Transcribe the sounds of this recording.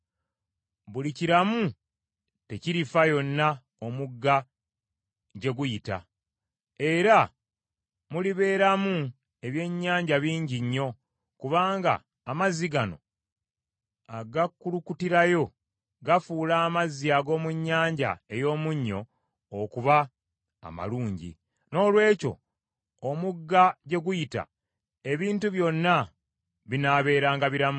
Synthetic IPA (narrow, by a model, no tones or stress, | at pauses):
βuliciɾamu | te̞ciɾifajo̞nːa | omuɡːa | ɟe̞ɡujita̰ | e̞ɾa | muliβe̞ːɾamu | e̞βje̞ɲːaːɲɟaβiːɲɟiɲːo̞ | kuβaːŋɡa̰ː | maziɡano̞̰ | aɡakːulukutiɾajo̞ | ɡafuːlaːmaziaɡo̞ːmuɲːaːɲɟa̰e̞jo̞ːmuɲːo̞̰ː | kuβa̰ː | ma̰luːɲɟḭ | no̞ːlwe̞ːco̞̰ː | muɡːaɟe̞ɡujita̰ | e̞βiːntuβjo̞nːa | βinaːβe̞ːɾaːŋɡaβiɾamu